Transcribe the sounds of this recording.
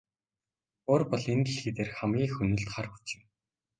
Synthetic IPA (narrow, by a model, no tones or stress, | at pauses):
oːrpɔɮent̪ɘ̆ɮxet̪eːrχamɡʲiːxɵnɵ̆ɬt̪χarxu̥t͡ɕɪ̆w